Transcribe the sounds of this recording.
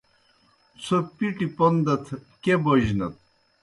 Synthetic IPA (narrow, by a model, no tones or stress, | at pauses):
t͡sʰopiʈipond̪ɐt̪ʰkeboʑnɐt̪̚